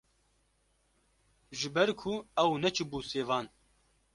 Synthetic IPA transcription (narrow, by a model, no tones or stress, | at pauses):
ʒɨbɛɾkʰʊɛwnɛt͡ʃʰɨbuːseːvɑːn